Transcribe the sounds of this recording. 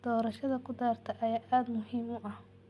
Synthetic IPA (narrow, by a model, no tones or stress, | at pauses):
d̪̥ɔːɾɐʃɐðɐkʰʊd̪aːrt̪ʰɐʔɐjaːʔaːd̪mʊɦiːmʊʔɐh